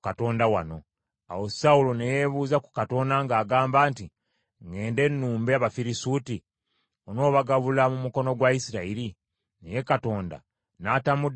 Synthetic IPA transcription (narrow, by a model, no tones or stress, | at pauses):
kato̞ːndawano̞ | a̰wo̞saulonejeβuːzaku̥kato̞ːndaŋɡaːɡaːmbaːnti | ŋe̞ːnde̞nːuːmbeaβafiɾisuːti | ono̞ːβaɡaβulamumuko̞no̞ɡwaisiɾaiɾi | neje̞kato̞ːnda̰ | naːtamud